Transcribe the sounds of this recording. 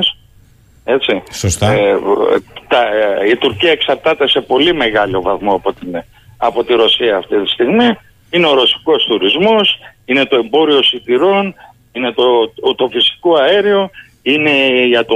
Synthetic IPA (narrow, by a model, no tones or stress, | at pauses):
s | e̞t͡sisost̪ | t̪ɐit̪uɾciɐeksɐɾt̪ɐt̪e̞se̞po̞lime̞ɣɐlo̞vɐθmo̞ɐpot̪i | ɐpo̞t̪iɾo̞siɐːft̪it̪i̥st̪iɣmi | ine̞o̞ɾo̞si̥ko̞st̪uɾizmo̞sine̞t̪o̞e̞mbo̞ɾio̞sid̪iɾo̞n | ine̞t̪ot̪o̞fisi̥koɐeɾio̞ | ine̞ʝɐt̪o